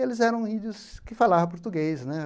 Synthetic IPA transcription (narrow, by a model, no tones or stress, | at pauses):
elɪzɛɾɐ̃w̃id̪ʊskɪfalavɐp̬oɾt̪uɡejsnɛ